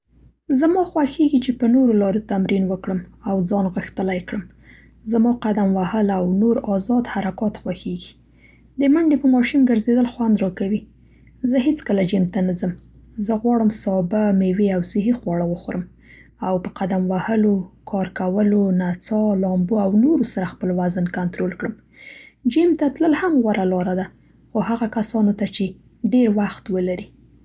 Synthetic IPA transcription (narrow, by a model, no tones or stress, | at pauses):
zamɑxwaxeɡit͡ʃepənoɾolɑɾot̪amɾinwəkɽəmawd͡zɑnɣəxt̪əlajkɽəm | zamɑqad̪amwahəlawnoɾɑzɑd̪haɾakɑt̪xwaxeɡi | d̪əmaɳɖepəmɑʃumɡəɾzed̪əlxwand̪ɾɑkawi | zəɦet͡skəlad͡ʒimt̪anazəm | zəɣwɑɽəmsɑbameweawsɪɦixwɑɽawəxoɾəm | awpəqad̪amwahəlokʰɑɾkawəlonat͡sɑlɑmboawnoɾosaɾaxpəlwaznkant̪ɾolkɽəm | d͡ʒimt̪at̪ləlhamɣwaɾalɑɾad̪a | xohaɣakasɑnot̪at͡ʃe | ɖeɾwaxt̪wəlaɾi